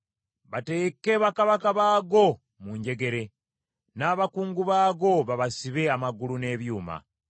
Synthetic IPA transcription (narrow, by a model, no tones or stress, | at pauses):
βate̞ke̞βakaβakaβaːɡo̞ | muɲɟe̞ɡe̞ɾe̞ | naːβakuːŋɡuβaːɡo̞βaβasiβe̞amaɡulune̞ːβjuːma̰